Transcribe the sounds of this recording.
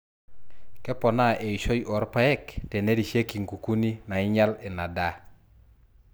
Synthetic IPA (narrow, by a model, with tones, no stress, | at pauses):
kɛ˦pɔ˨na˦ʔe˨i˨ʃo˦jʔɔ˨ɾpa˦ɛ˦˨kte˨ne˦ɾi˨ʃje˦ki˨ŋku˨ku˦ni˦na˨ɪ˦ɲa˦lɪ˨na˨da˦